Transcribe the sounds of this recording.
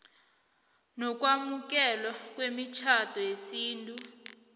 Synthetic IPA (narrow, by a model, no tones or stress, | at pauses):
nɔk̬ʼwamuk̬ɛlwak̬ʼwemit͡ʃʰatɔjesiːntʼu